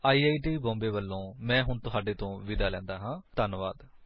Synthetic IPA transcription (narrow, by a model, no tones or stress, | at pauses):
aːiːaːiːʈiːbɔ̃ːmbeːʋəlːõːmɛ̃ːɦʊɳt̪ʊɦaːɖeːt̪õːʋɪd̪aːlɛ̃ːnd̪aːɦãːt̪ənʋaːd̪